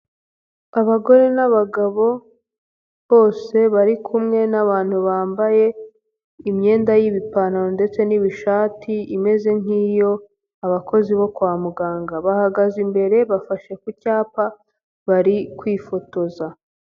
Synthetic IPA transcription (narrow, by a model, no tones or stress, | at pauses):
aβaɡo̞ɾe̞naβaɡaβo̞ | βo̞ːse̞βaɾikʰumŋe̞naβaːn̥huβaːmbaje̞ | imɲe̞ːndajiβipanaonde̞t͡se̞niβiʃaːtʰiime̞ze̞ŋ̥iːjo̞ | aβako̞ziβo̞kwaːmuɡaːŋɡaβahaɡazimbe̞ɾe̞βafaʃe̞kucaːpa | βaɾikwiːfo̞to̞za